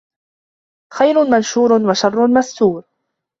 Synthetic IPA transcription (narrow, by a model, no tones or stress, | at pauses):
xajɾʊnmanʃuːɾnwaʃɑrˤːʊnmast̪uːɾ